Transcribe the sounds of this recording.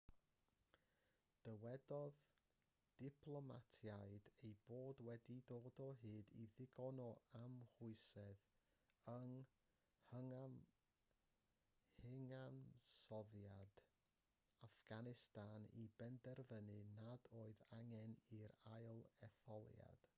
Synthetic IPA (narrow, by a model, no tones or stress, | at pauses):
d̥əwɛdɔð | d̥ɪpʰlˠɔmatʰjaɨdejboːdwɛdidoːdɔɦɨːdiðɪɡɔnɔamhʊɨsɛð | əŋ | həa | hɪŋansɔðjad̥ | afɡ̥anɪstanibɛndɛrvənɨnadoːɨðaŋɛniɾajlˠɛθɔlˠja̰d̥